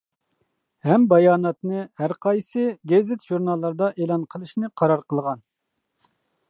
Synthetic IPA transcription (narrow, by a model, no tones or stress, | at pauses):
hɛmbɑjɑːnɑt̪nɨhæɾqʰɑjsɨɡʲezɪt̪ʒ̥uɾnɑlˠːɑɾd̪ɑʔelˠɑnqʰəlˠɨʃnɨqʰɑɾɑɾqʰəlˠʁɑn